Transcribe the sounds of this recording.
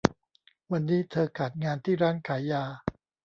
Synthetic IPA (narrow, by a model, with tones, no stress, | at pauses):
wa˧nːiː˦˥t̪ʰɤː˧kʰaː˨˩t̪̚ŋaː˧nt̪ʰiː˥˩ɾaː˦˥˩ŋkʰaː˩˦jjaː˧